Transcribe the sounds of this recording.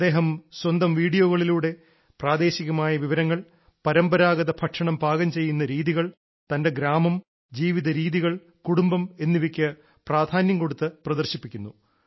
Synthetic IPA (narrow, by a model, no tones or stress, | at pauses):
ɐd̪eːɦɐmswɐnd̪ɐmʋiːɽijoːɣɐɭiluːɽe̞ | praːd̪e̞ːɕiɣɐmaːjɐʋiʋɐɾɐŋːɐɭ | pɐɾɐmbɐɾaːɡɐðɐbʰʱɐʈʂɐɳɐmbʱaːɡɐmt͡ɕe̞jːunːɐɾiːðiɣɐɭ | t̪ɐnde̞ɡɾaːmɐm | d͡ʑiːʋiðɐɾiːðiɣɐɭ | kuɽumbɐme̞nːiʋikʲːɐ | praːd̪ʱaːnjɐmko̞ɽut̪ːɨprɐd̪ɐrɕipːikʲːunːu